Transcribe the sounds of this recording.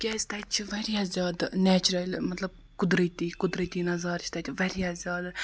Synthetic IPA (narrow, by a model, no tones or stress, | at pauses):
kʲɛsʲt̪aːt̪̚ʲt͡ʃʰiʋɐɾʲiazʲjaːd̪nɛːt͡ʃuɾɐlʲmɐt̪lɐb̚ | kʊd̪ɾət̪iːkʊd̪ɾɨt̪ʲiːnɐzɑːɾt͡ʃʰt̪ɐt̪ʲʰiʋɐɾiazʲjaːd̪